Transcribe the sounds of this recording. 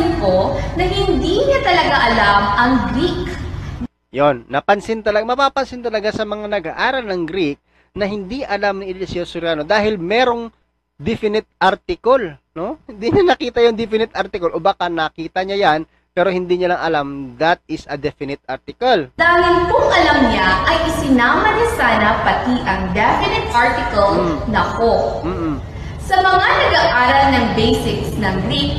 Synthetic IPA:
nkonɐhɪnd̪iɲat̪ɐlɐɡaʔɐlamʔɐŋɡɾik | jonːɐpɐnsɪnt̪ɐlɐɡmɐpapɐnsɪnt̪ɐlɐɡasɐmɐŋanɐɡaʔaːɾɐlnɐŋɡɾik̚ | nɐɦɪnd̪iʔɐlamnɪɪlɪsɪosʊɾjaːnod̪aːɦɪlmɛːɾo̞ŋ | d̪ɪfɪnɪt̪̚ʔaɾt̪ɪkolnohɪnd̪iɲɐnɐkiːt̪ɐjond̪ɪfɪnɪt̪̚ʔaɾt̪ɪkolʔoːbakanɐkiːt̪ɐɲajan | pɛːɾo̞hɪnd̪iːɲɐlɐŋʔɐlamd̪ɐt̪̚ɪsɐd̪ɛfɪnɪt̪̚ʔaɾt̪ɪkɐld̪aːŋɪnkoŋʔɐlɐmɲaʔɐjʔɪsɪnaːmɐnɪsaːnɐpɐt̪iʔɐŋd̪ɛfɪnɪt̪ʔaɹt̪ɪkɐlnɐkom̩ː | sɐmɐŋanɐɡaʔaːɾɐlnɐŋbejsɪksnɐŋɡɾik̚

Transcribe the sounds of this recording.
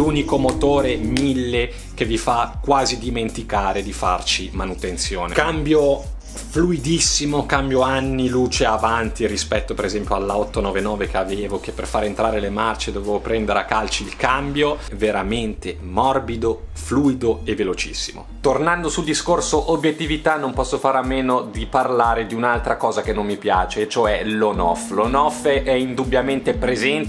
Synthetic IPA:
uːnikomot̪oːɾemilːe | kevːifakːwaːzid̪iment̪ikaːɾed̪ifart͡ʃimanut̪ent̪sjoːnḛkambjo | fluid̪isːimokambjoanːiluːt͡ʃeavant̪irispɛt̪ːopeɾezɛmpjoalːaɔt̪ːonɔːvenɔːvek̟eaveːvok̟epːerfaːɾent̪ɾaːɾelemart͡ʃed̪oveːvopɾɛnd̪eɾeakːalt͡ʃiilkambjoveɾament̪e | mɔrbid̪ofluːid̪oevːelot͡ʃḭsːimo̰t̪ornand̪osuld̪iskorsoʔobjet̪ːivit̪anːompɔsːofaːɾamːeːnod̪iparlaːɾed̪iunalt̪ɾakɔːzakenːomːipja̰ːt͡ʃet͡ʃoɛlonɔ̰flonɔfʔɛind̪ubjament̪epɾezɛnt̪

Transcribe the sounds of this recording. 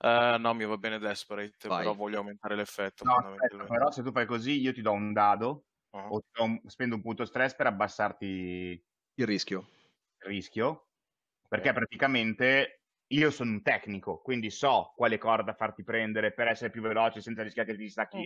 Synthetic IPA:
ɛnɔmivabːɛːned̪ɛspɾejt̪peɾɔvɔʎːoawment̪aːɾelefːɛt̪ːonɔaspɛt̪ːapeɾɔset̪ufajkoziiot̪̬id̪ɔund̪aːd̪o | ot̪ːid̪ɔspɛnd̪oumpunt̪ost̪ɾɛspeɾabːasːart̪i | ilriskjo | ilriskʲjo | perkːɛpːɾat̪ikament̪e | iːosoːnount̪ɛkːnikokwind̪isɔkːwaːlekɔːzad̪afart̪ipɾɛnd̪eɾepeɾɛsːeɾepjuvelɔːt͡ʃesɛnt̪saɾiskjaket̪ist̪akːi

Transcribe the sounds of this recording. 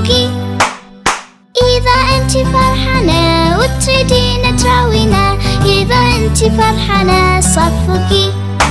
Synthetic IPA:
ɡi | ʔɪðaʔɪnt̪ifɑɾˤħanawɪt̪ɾid̪inat̪ɾˤɑwinaʔɪðaʔɪnt̪ifɑɾˤħanasˤɑfɡi

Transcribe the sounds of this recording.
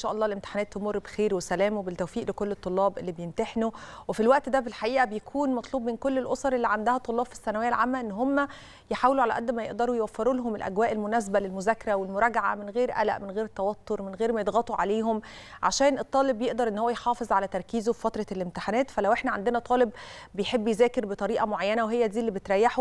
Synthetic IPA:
ʔenʃæːʔɑlːɑːlʔemt̪e̥ħanæːt̪ːomorˤːbexeːɾwesælæːmwebelt̪ːæwfiːʔlekolːet̪ˤːolːɑːbʔḛlːibejemt̪eħnowefilwæʔt̪d̪æbelħaʔiːʔæbejækʰuːnmɑt̪ˤluːbmenkolːelʔosˤɑɾˤʔelːiʕand̪æhæt̪ˤːolˤːɑːb̥fi̥sːænæwejːælʕaːmːæʔenːɦomːæ | jeħaːweluʕalæʔæd̪ːmæjeʔd̪ɑɾˤujwæfːeɾulɦomelʔæɡwæːʔelmonæs̬bælelmozækːɑɾæwelmoɾˤɑɡʕa̰menɣeːɾʔæ̰læ̰ʔmenɣeːɾet̪ːæwɑt̪ʰˤːoɾmenɣeːɾmæjed̪ɣɑt̪ˤuʕa̰leːɦom | ʕa̰ʃæːnʔet̪ˤːɑːlebːjeʔd̪ɑɾˤʔenːhowːæjħɑːfezˤʕalæt̪ɑɾˤkiːzofifæt̪ɾˤɑlemt̪ɪħanæːt̪fælæwʔeħnæʕand̪enæt̪ˤɑːleb | bejħebːjezæːkeɾbet̪ˤɑɾiːʔɑmoʕajːænæweɦejːæd̪iːelːibet̪ɾˤæjːaħo

